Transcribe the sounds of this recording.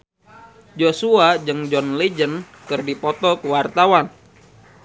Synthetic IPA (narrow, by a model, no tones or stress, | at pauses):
d͡ʒosuad͡ʒɨŋd͡ʒɔnled͡ʒən | kɨrdipɔt̪ɔkəwart̪awan